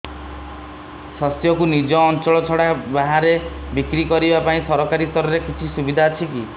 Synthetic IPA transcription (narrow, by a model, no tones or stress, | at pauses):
sɔst̪jɔkunid͡ʒɔːnt͡ʃɔɭɔt͡ʃʰɔɽabaɦaɾe | bikɾikɔɾibapaĩsɔɾɔkaɾist̪ɔɾɔɾekit͡ʃʰisubid̪ʱaːt͡ʃʰiki